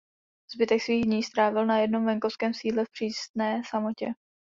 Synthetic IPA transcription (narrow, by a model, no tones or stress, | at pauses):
z̥bɪt̪ɛksviːɣdɲiːst̪ɾaːvɪlnajɛdno̞mvɛŋko̞fskɛːmsiːdlɛfpr̝̥iːst̪nɛːsamo̞cɛ